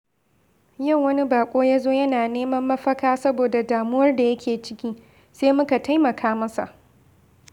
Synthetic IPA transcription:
jɐ˦˨ŋːɐ˦ni˦baː˨kʷʼoː˦jaː˦zoː˦jɐ˦naː˨neː˦mɐ˦mːɐ˦ɸɐ˦kaː˦sɐ˦boː˨da˨daː˨mʊ˦wɐ˦rda˨jɐ˦kʲʰeː˨t͡ʃɪ˦kʲiː˦ | seː˦mʊ˦ka˨ta˦jmɐ˨kʰaː˦mɐ˦sa̰˨ʔ

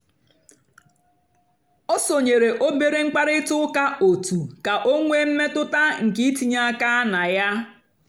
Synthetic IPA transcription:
ɔ˦so˨ɲe˨ɾe˨ʔo˦be˨ɾe˦ŋ͡m̩˦k͡pa˦ɾɪ˦tʊ˦ka˦o˨tu˨ka˨ʔo˦ŋʷe˦m̩˦me˦tʊ˦ta˦ŋ̩˨kɪ˦i˦ti˦ɲa˦a˦ka˦na˨ja˦

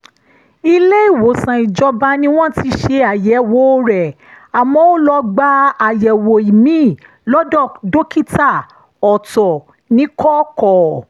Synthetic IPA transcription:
i˧le˦i˦˨wo˨˦sã˨i˨d͡ʒɔ˧ba˧˦nĩ˦w̃ɔ̃˦˨ti˧˦ʃe˧a˨jɛ˨˦wo˨˦ɾɛ˨ | a˨mɔ̃˨o˦lɔ˧ɡ͡ba˧˦a˨jɛ˨wo˨i˨mĩ˨˦˨ | lɔ˦dɔ˦˨do˦ki˦ta˦˨ | ɔ˨tɔ˨ | nĩ˨˦kɔ˦kɔ˨

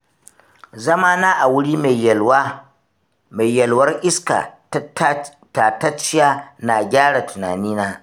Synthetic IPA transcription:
zɐ˦maː˦naː˦ʔa˨wʊ˦ɽiː˦ma˨w | ma˨jːɐ˨lwɐ˦rʔɪ˦ska̰˨˦ | taː˨ta˦t͡ʃːɪ˦jaː˦na˨ɡʲaː˦ɽa˨tʰʊ˨na̰ː˨niː˦naː˦

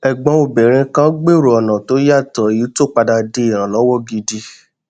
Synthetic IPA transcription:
ɛ˨ɡ͡bã˨˦o˨bɛ˨ɾ̃ĩ˧kã˦ɡ͡be˦˨ɾo˨ɔ˨nã˨to˨˦ja˦˨tɔ˨i˨˦to˦˨k͡pa˧da˧de˧˦i˦˨ɾ̃ã˨lɔ˨˦wɔ˦˨ɡi˧di˧

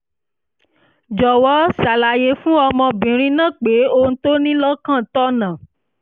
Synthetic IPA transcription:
d͡ʒɔ˨wɔ˦sa˨la˨je˧˦fũ˦ɔ˧mɔ̃˧bĩ˨ɾ̃ĩ˧˦nã˦˨k͡pe˨˦õ˧˦to˦nĩ˦lɔ˦kã˦˨tɔ˦nã˨

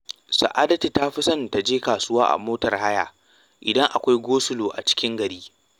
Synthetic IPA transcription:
sa̰˨ʔaː˦dɐ˦ti˨ta˦ɸɪ˦sɐ˦˨nta˨d͡ʒeː˦kaː˨sʊ˦waː˦ʔa̰˨moː˦tɐ˨rha˦ja̰ː˨ | ʔɪ˨dɐ˦ŋʔa˨kʷa˦jɡʷoː˦sʊ˦loː˨ʔa̰˨t͡ʃɪ̥˦kʲɪ˦ŋɡɐ˨ɽiː˦

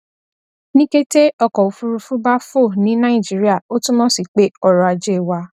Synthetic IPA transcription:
nĩ˦ke˦te˦ɔ˧˨kɔ˨u˨fu˧ɾu˧fu˦ba˦fo˦˨nĩ˨˦nã˦ĩ˦˨d͡ʒi˨˦ɾi˦a˦˨o˦tũ˦mɔ̃˦si˦˨k͡pe˦ɔ˧ɾɔ˧a˧d͡ʒe˦˨wa˧

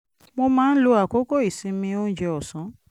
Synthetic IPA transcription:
mo˧mãː˦n̩˦lo˦a˨ko˦ko˦i˨si˦mĩ˧o˦d͡ʒɛ˦ɔ˨sɔ̃˨˦

